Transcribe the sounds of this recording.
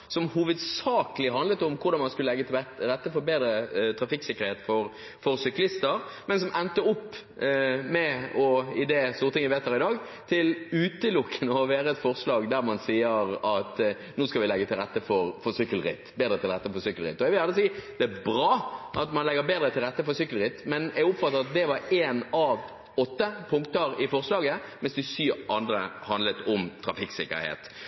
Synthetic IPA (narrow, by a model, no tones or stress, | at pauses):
sɔmhuːʋəd̪sɑːkəlɪɦɑnd̪lət̪ʊmkʰʊɾd̪ɑnmɑnskʉlːəlɛɡːət̪ʰɪɾɛt̪ːəfɔɾbeːd̪ɾət̪ʰɾɑfɪksɪkːəʁɾheːt̪fɔɾ | fɔɾsʏklɪst̪əɾmɛnsɔmʔɛnt̪əʊpː | mɛɔɪd̪ɛst̪uːɾt̪ɪŋʋɪʋeːt̪hæːɾɪd̪ɑːɡ | t̪ʰɪlʉːt̪əlʊkːənəɔʋæːɾəɛt̪fɔʁslɑːɡd̪æɾmɑnsiːəɾɑt̪ | nuːskɑlʋɪlɛɡːət̪ʰɪlʁɛt̪ːəfɔɾfɔsʏkːəlɾɪ̰t̪ːbeːd̪ɾət̪ʰɪlʁɛt̪ːəfɔɾsʏkːəlʁɪ̰t̪ːɔɛɡʋɪjɑləs̬iːd̪̥ɛæbɾɑːʔɑt̪mɑnlɛɡːəɾbeːd̪ɾət̪ʰɪlʁɛt̪ːəfɔɾsʏkːəlɾɪt̪ːmɛnæɛɡʊpfɑt̪ːəɾɑt̪̚d̪ɛʋɑɾeːnɑʋ | ɔt̪ːəpʰʊŋk̚t̪əɾɪfɔʁslɑːɡəmɛnsd̪ɪsyːʔɑnd̪ɾəhɑnd̪lət̪ɔmt̪ʰɾɑfɪksɪkːə̰ɾhḛːt̪